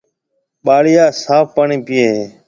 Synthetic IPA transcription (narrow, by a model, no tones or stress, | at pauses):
ɓaːɽɪjaːsaːfpaɳĩːpɪjeːɦeː